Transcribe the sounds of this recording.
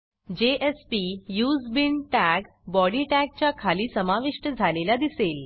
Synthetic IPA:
d͡ʑeʔespijuːzbiɳʈæɡ | bɔɽiːʈæɡ̚t͡ɕakʰaliːsəmaʋiʂʈəd͡zʱalelad̪isel

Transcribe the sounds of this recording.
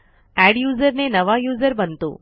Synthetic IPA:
ɛɖjuːzəɾnenəʋajuːzəɾbənt̪o̰

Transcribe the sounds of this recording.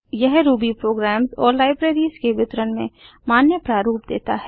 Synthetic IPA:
jɛɦɾuːbipɾoːɡɾɛːmzɔːɾlaːɪbɾeːɾiskeʋɪt̪ɾənmḛ̃ | maːnjəpɾaːɾuːpd̪ḛːt̪aɦɛː

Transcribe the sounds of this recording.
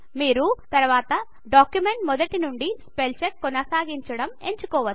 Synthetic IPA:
miːɾut̪ɐɾʋaːt̪ɐ | ɖaːkjume̞ɳʈmɔd̪ɐʈinuɳɖispelt͡ʃɐɾkːɔnɐsaːɡiɲt͡ʃɐɽɐmeɲt͡ʃukɔːʋɐ

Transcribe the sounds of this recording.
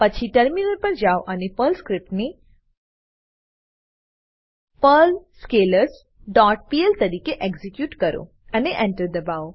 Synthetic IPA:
pət͡ʃʰiʈəɾminəɾpəɾd͡ʒaoʔənepəlskɾɪp̚ʈne | pəlskeləɾs | ɖɔːʈ̚pielt̪ɐɾiːkeʔeɡzikjuːʈkɐɾo̰ | ɐneʔɛ̃ɳʈəɾd̪ɐbaːo

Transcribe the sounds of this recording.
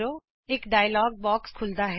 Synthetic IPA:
ɾo | eːkɖaːjlɔːɡ̚bɔːkskʰʊld̪aɦɛ

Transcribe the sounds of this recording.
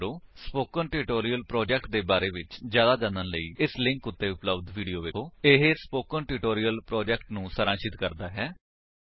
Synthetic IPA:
ɾoːspoːkənʈɪʈoːɾijəlpɾɔːd͡ʒɛːkʈ̚d̪eːbaːɾeːʋɪt͡ʃzjaːd̪aːd͡ʒ̪ãːnənləiːɪslɪ̃ŋkʊt̪ːeːʊpləbd̪ʋiːɖijoːʋɪoːɪɦspoːkənʈɪʈoːɾijəlpɾɔːd͡ʒɛːkʈnũːsəɾãːʃɪt̪kəɾd̪aːɦɛː

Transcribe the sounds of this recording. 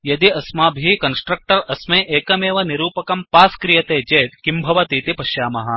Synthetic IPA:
jɐd̪iɐsmaːbʱikɐnsʈɾɐk̚ʈɐɾɐsmeːʔeːkɐmeːʋɐniɾuːpɐkɐmpaːskɾijɐt̪eːd͡ʒeːt̪kimbʱɐʋɐt̪iːt̪ipɐʃjaːmɐɦɐ̆

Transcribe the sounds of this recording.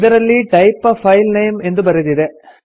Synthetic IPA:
ðɐɾɐlːiʈɐɪpːɐfɐɪlnɐɪmɛnd̪rɯpɐɾɐðiðe

